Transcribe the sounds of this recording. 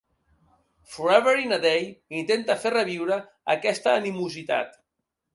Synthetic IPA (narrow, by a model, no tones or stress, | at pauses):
fuɾaβəɾinad̪ejint̪ent̪aferəβ̞iwɾə | ə̰kɛst̪əːnimuzit̪a̰t̪